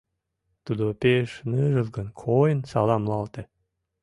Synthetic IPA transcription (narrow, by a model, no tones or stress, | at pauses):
t̪ud̪opeʃnɨʒə̆lɡənkʰojənsɑlˠɑmlɑlt̪ə̆